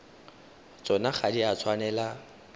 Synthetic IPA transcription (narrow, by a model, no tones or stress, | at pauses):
t͡sʼɔnaχʰadiat͡sʰwanɛla